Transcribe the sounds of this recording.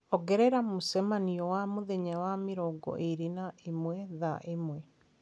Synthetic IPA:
ɔɡɛɾɛɾamusɛmaniɔwamoðeɲawameɾɔɡɔ̰ʔeɾenaemwɛðaʔemwɛ

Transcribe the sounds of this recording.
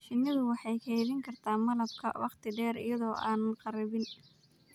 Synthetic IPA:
ʃɪnːɪðʊwɑħɑjkʰɛjðɪŋkʰɐrt̪ʰaːmɐlɐb̚kʰɐ̰wɑ̰qt̪ʰɪɖɛːɾɪ̰jɐðɔːʔa̰ːnɐnqɑɾɐβɪn

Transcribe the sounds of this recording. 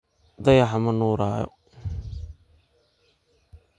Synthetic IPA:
d̪ɐjɐħamɐnuːɾaːjɔ̰

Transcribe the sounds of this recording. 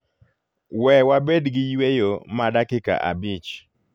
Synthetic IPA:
wɛwabedɡɪjwejomadakɪka̰ʔa̰bit͡ʃ

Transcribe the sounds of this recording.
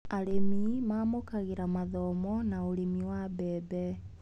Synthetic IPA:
aɾemimamokaɣeɾamaðɔmɔnaoɾemiwabɛːbɛ

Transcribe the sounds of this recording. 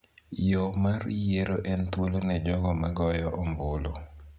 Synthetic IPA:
jomarjeɾoʔɛnt̪wolonɛd͡ʒɔɡɔmaɡɔjɔʔɔmbolo

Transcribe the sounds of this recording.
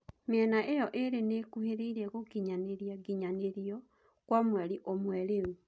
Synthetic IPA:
meɛnaʔejɔʔeɾeneːkuheɾeiɾɛɣoɡiɲaneɾiaɡiɲaneɾiɔ | kwamwɛɾiʔomwɛɾeu

